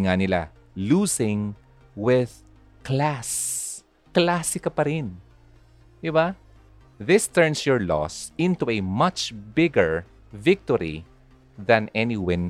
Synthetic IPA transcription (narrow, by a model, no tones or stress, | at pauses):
ŋanɪla̰ | luːsɪ̃ŋ | wɪð | klas | klaːsɪkɐpɐɾɪn | d̪ɪba | ðɪst̪ɛɹnsjɔɹlɔ̰sɪ̃nt̪uɛmʌt͡ʃbɪɡəɹ | vɪk̚t̪ɔɹḭ | ðɐ̃nɛniwãn